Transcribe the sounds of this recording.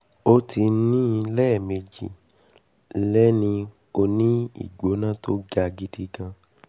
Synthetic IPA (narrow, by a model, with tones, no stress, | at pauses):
o˦ti˧˦nĩ˦˧lɛː˦˨me˧d͡ʒḭ˨ | lɛ˦nĩ˧ | o˧nĩ˦ḭ˦˨ɡ͡bo˨˦nã˦to˦d͡ʒa˧ɡi˨˦di˦ɡã˧